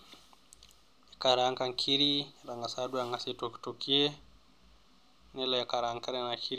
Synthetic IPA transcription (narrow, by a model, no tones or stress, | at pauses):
ɛkaɾaŋkaŋkʰiɾiɾaŋɡasadujaŋɡasitɔktokiɛ | nɛlaakaɾaŋkaɾɛnakʰiɾ